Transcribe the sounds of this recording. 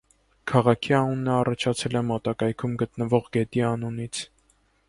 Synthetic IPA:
kʰɑʁɑkʰiɑnunːəɑrɑt͡ʃʰɑt͡sʰɛlɛmɔt̪ɑkɑjkʰumɡət̪nəvɔʁɡɛt̪iɑnunit͡sʰ

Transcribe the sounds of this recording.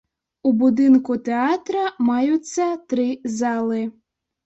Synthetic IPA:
ubud̪ɪnkut̪ɛat̪ɾɐmajʊt͡sʲːɐt̪ɾɪzɑlˠɨ

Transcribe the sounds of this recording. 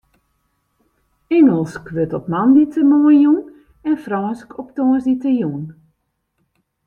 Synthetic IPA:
ɛŋəlˠskʋøtɔpmanditəmoəjun | ɛnfraːskʰɔptoːəsditəjun

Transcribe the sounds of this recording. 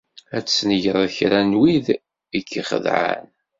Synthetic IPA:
æt͡sːsnəʝɾˤçɾænwið | ikʰːiχə̰ðʕa̰n

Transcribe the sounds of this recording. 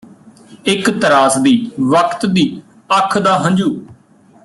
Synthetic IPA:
ɪkt̪əɾaːsd̪iːʋəkʰt̪d̪iː | əkʰd̪aːɦə̃nd͡ʒuː

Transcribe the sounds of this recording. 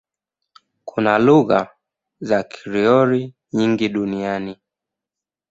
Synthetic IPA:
kʰunaluɣa̰ | zakʰi̥ɾiɔɾi | ɲiŋɡiɗuniani

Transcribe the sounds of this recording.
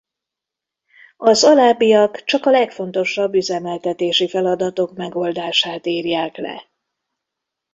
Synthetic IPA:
ɒzɒlaːbijɒkt͡ʃɒkɒlɛkfo̞n̪t̪o̞ʃɒbːyzɛmɛlt̪ɛt̪eːʃifɛlɒd̪ɒt̪o̞kmɛɡo̞ld̪aːʃaːt̪iːrjaːklɛ̰

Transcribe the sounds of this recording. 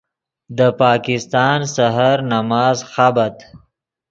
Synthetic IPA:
d̪əpɑːkɪst̪ɑːnsaɦaɾnamɑːzxabat̪

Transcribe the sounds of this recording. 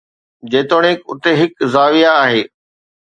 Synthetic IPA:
d͡ʑeːt̪oːɽ̃ɪkʊ̰t̪eɦɪkzaːʋijaːɦeː

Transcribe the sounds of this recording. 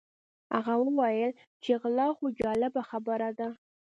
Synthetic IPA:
a̰ɣawəwajəl | t͡ʃeɣlɑχoɡʲɑlabaxabəɾad̪a

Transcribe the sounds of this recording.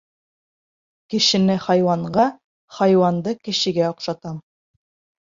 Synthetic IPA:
kɘ̆ʃɘ̆nɘχɑjwɑɴɢɑ | χɑjwɑnd̪ɤkɘ̆ʃɘ̆ɡæŏqʃɑt̪ɑm

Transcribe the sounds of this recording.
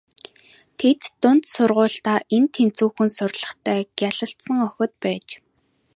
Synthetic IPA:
t̪ʰet̪ːʊn̥t̪sʊrʁʊːɬt̪aːʔent̪ʰːemt͡suːxɘ̆nsʊrʲɮə̆χt̪ʰæːɡjaɮə̆ɬt̪sə̆ŋœxʲɞ̆t̪̚pæːt͡ɕ

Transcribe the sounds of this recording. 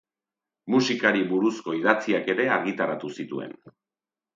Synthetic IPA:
musikaɾiβuɾusko̞iðat͡siake̞ɾe̞aɾɣit̪aɾat̪usit̪ue̞̰n

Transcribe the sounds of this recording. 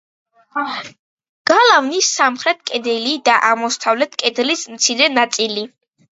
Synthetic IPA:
ɡ̥alˠavnisamχɾɛt̪̚ʰkʼɛd̪ɛlid̪aʔaʁmɔst̪ʰavlɛt̪ʰkʼɛd̪lismt̪sʰiɾɛnat̪sʼili

